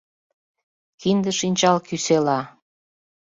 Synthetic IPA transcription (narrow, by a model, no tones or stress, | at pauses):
kind̪əʃinʲt͡ɕɑlkyselɑ